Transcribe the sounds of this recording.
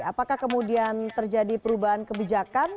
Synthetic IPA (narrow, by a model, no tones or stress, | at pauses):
apakahkəmudiant̪ərd͡ʒadipəɾubaɦankəbid͡ʒakan